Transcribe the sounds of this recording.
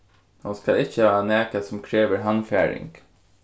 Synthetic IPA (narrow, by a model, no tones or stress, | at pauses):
hʊnskɑlɪçəhɑːnæːkɑsɔmkʰɹeːʋəɾɦɑnfæːɹɪ̰ŋɡ̥